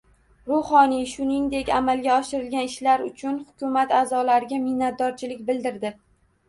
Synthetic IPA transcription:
ɾʊhɒnijʃʊnɪŋd̪e̞kʲamalɡʲaɒʃɪɾɪlɡʲanɪʃlaɾʊ̰t͡ʃʰʊnhʊkʲʊmat̪aːzɒlaɾɪɡʲamɪhnːat̪̚d̪ɒɾt͡ʃʰɪlɪk̚ʲbɪld̪ɪɾd̪ɪ

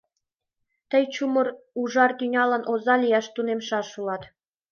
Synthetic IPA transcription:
t̪ʲɤ̆jt͡ɕumɤ̆ruʐɑrt̪ʲynʲɑlˠɤ̆nʔozɑlʲijɑʃt̪unemʃɑʂulˠɑt̪

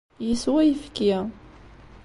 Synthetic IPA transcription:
jiswæjfkːi

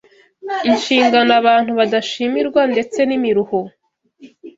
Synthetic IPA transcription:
inʃiːŋɡanaβaːn̥huβadaʃimiɾɡwande̞t͡se̞nimiɾuho

